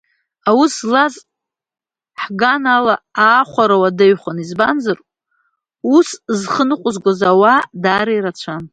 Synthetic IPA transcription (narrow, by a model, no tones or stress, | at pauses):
awuslaz | ħɡanalaaːχʷaɾawadaɥχʷanizbanzɨr | uszχənɨqʷʼʊzɡʷazawadaːɾaiɾat͡ɕʷʰan